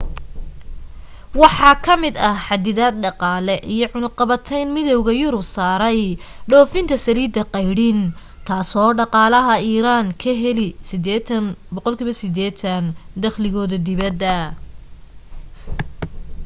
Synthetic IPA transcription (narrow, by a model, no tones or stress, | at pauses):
wɑħɑːkʰɐmɪd̪ɐħɑd̪ɪðaːd̪̚ɖɑqɑːlɛʔijɞʕʊnʊqɑβɐt̪ʰɛjnmɪðɔwɣɐjʊɾʊbsaːɾɛjɖɔːfɪnt̪ʰɐsɐliːd̪ɐqɑjɽin | t̪ʰaːsɔːɖɑqɑːlɐɦɐiːɾaːnkʰɐɦɛlisɪd̪ɛːt̪ʰɐnbɔqɔlkʰiːβɐsɪd̪ɛːt̪ʰɐnd̪ɐχlɪɣɔːðɐd̪ɪβɐd̪ːɐ